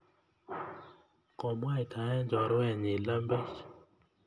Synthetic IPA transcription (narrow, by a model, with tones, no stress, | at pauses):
kɔ˨mwa˦jtʰa˨ɛ˦nd͡ʒɔ˨ɾwɛ˦˨ɲɪ˨la˦mbe˦t͡ʃ